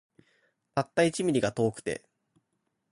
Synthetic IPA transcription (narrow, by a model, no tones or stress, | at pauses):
t̪at̪ːait͡ɕimʲiɾʲiɡat̪o̞ːkɯ̟̥t̪e̞̰